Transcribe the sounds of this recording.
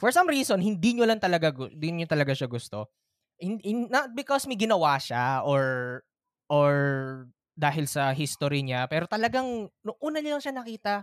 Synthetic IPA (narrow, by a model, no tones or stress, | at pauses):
fɔɹsɐmɹiːsonhɪnd̪iɲolɐŋt̪ɐlɐɡaɡʊd̪ɪɲot̪ɐlɐɡaʃaɡʊst̪o | hɪnnɐt̪̚bɪkɔsmɐɡɪnɐwaʃaʔoɹ | ʔoɹ | d̪aːɦɪlsɐɦist̪oɾiɲapɛːɾot̪ɐlɐɡaŋnʊŋʔuːnɐɲʊlɐŋʃanɐkiːt̪ɐ